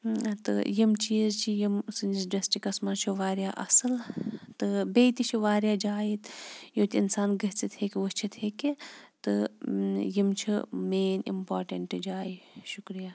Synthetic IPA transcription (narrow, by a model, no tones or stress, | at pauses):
t̪ɨ̰jimt͡ʃiːzt͡ʃʰijimsɨnd͡ʒizɖesʈikɐsmaːt͡ʃʰiʋaːɾjaːʔɐ̰sɨlt̪ɨbejt̪it͡ʃʰiʋaːɾjaːd͡ʒaːjit̪joːt̪ʲinsaːnɡɐɦt͡sit̪ʰekiʋut͡ʃʰit̪ʰeːkit̪ɨ | jimt͡ʃʰimeːnḭmpaːɾʈɐɳʈɨd͡ʒaːjiʃukɾijaː